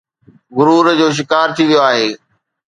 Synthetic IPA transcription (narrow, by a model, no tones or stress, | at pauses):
ɣʊɾuːɾd͡ʑoːʃ̬ɪkaːɾt̪ʰiʋijoaːɦeː